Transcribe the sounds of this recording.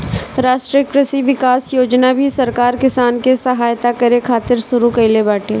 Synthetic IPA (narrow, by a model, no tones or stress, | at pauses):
ɾaːʃʈɾekɾəsiʋɪkaːsjoːd͡ʒnabʱisɐɾkaːɾkɪsaːnkesɐɦaːjt̪akɐɾekʰaːt̪ɪɾsʊɾukɐɪlebaːʈʰeː